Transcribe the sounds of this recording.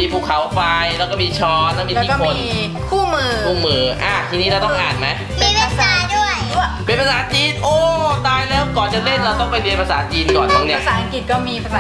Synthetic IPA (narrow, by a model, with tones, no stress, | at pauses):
iː˧pʰuː˨˩kʰːa˩˦wpa˧jɾɛː˦˥wkɔː˥˩miː˧t͡ɕʰɔː˦˥lɛ˦˥˩miː˧˦kːn˧n | kʰuː˥˩mɯː˧kkʰuː˥˩mɯː˨˧ʔaː˧˩t̪ʰiː˧niː˦˥ɾwt̪ɔ˥˩ŋʔaː˨˩nma˦˥j | miː˧la˧˥saː˨˦du˥˩əjpe˧npʰa˧˩saː˩˦t͡ɕiː˧nʔoː˧˩t̪aː˧jlɛː˦˥˩wŋ͡mkɔː˨˩nt͡ɕa˨˩le˥˩nɾa˧wt̪ɔ˥˩ŋpa˧jli˧ənpʰa˧saː˩˦t͡ɕiː˧nkɔː˨˩nt̪ʰo˧ŋnːi˦˥ɐ˧ɐʔsaː˨˩ʔa˧ŋki˨˩t̪̚kɔː˥˩miː˧pʰa˧saː˨˩